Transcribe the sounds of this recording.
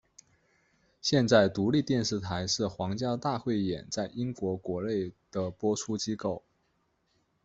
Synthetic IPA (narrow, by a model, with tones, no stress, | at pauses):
ɕjɛ˥˧nt͡sa˥˩ɪt̪u˧˥li˥˧t̪jɛ˥˧nʂɻ̩˥˩t̪ʰa˧˥ɪʂɻ̩˥˩xwɑ˧˥ŋt͡ɕjɑ˥ʊt̪a˥˧xwe˥˩ɪjɛ̰˨˩nt͡sa˥˩ɪi˥ŋkwɔ˧˥kwɔ˧˥le˥˩ɪd̪̥ə˩pwɔ˥ʈ͡ʂʰu˥t͡ɕi˥ko˥˩ʊ